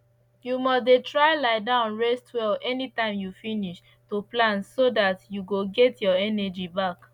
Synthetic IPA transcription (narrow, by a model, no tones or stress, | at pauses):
jumɔsdetɹaɪlaɪdãʊ̃nɹɛstʰwɛlɛnitãɪ̃mjufiniʃ | toplãnsodatjuɡoɡɛtjɔɛnɛd͡ʒibak